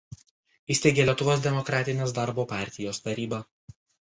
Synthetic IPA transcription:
ɪːsʲt̪ʲeːɡʲeːlʲɛt̪ʊʋoːsd̪ʲɛmɔkɾɑːt̪ʲɪnʲeːs̬d̪ɑɾboːpɑˑɾʲt̪ʲɪjoːst̪ɐɾʲiːbɐ

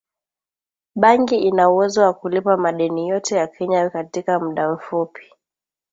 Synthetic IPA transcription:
ɓaŋɡiinauwɛzɔwakulipamaɗɛnijɔtɛjakʰɛɲakatikam̩ɗam̩fupi̥

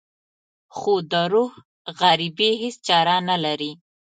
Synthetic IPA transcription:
xod̪əɾuh | ɣaɾibiɦɪst͡ʃɑɾanalaɾi

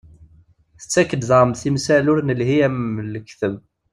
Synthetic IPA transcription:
θə̥t͡sːækːəd̪ðˤɾˤəmθimsælʊɾnəlɦiæməlkːθəb

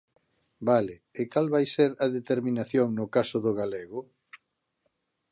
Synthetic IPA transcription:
balɪːkalβajseɾɐðet̪eɾminaθjoŋnʊkasʊðʊɣaleɣʊ

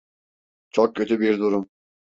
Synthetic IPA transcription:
t͡ʃʰɔk̚cʰø̞t̪ʰybiɾd̪uɾum

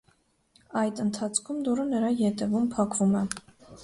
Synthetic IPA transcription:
ɑjd̪ənt̪ʰɑt͡sʰkʰumd̪uɾənəɾɑjɛt̪ɛvumpʰɑkvumɛ

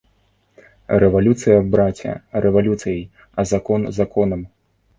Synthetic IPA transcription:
rɛvalʲut̪sɨjɐbɾat͡sʲɐ̰rɛvalʲut̪sɨjɐj | ɐzakɔnzakɔnɐm

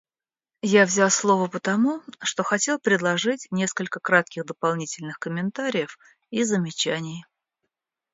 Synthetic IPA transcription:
javzʲalˠslˠo̞vəpət̪ɐmuʂt̪o̞xɐtʲe̞lˠpɾʲɪd̪lˠɐʐɨtʲnʲe̞skəlʲkəkɾat̪̚kʲɪɣd̪əpɐlˠnʲitʲɪlʲnɨxkəmʲɪnt̪aɾʲɪjəf | izəmʲɪt͡ɕænʲɪj

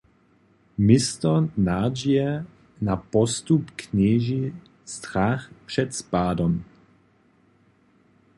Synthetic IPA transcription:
mɪst̪ɔnad͡ʒijɛ | napɔst̪upkɲɛːʒi | st̪ɾaxpʂɛt̪spaːdɔm

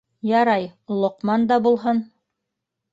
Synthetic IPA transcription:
jɑɾɑjlˠŏqmɑnd̪ɑbulˠɦɤn

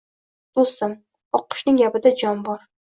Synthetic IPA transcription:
d̪̥ost̪am | ɒqːɨ̥ʃnɪŋjabɪd̪ad͡ʒɒnbɒɾ

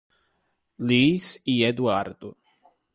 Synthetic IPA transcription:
liːsiɛd̪uaɾd̪u

